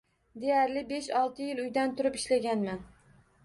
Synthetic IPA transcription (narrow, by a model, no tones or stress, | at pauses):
d̪e̞jaɾlɪbe̞ʃɒlˠt̪ʰɪjɪlʊjd̪ant̪ʰʊɾɪpɪ̥ʃlaɡʲanman